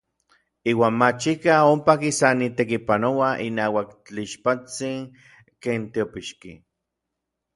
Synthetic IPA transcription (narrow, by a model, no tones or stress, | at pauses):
iːwaːnmat͡ʃikaompakisanit̪ekipanowaʔḭnaːwakt͡ɬiʃpat͡siŋ | keːnt̪iopiʃki